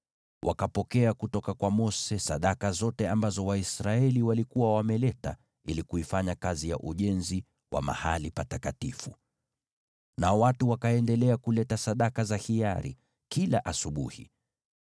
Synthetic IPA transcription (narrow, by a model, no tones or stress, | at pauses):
wʔa̰kapɔkɛakutɔkakwamɔsɛsaɗakazɔtɛambazɔwaisɾaɛliwalikuwawamɛlɛta̰ | ilikuifaɲakazija̰ʔuʄɛnzi | wʔa̰ma̰halipatakatifu | naɔwatuwakaɛndɛlɛakulɛtasaɗakazahiaɾḭ | kilaʔasuɓṵhḭ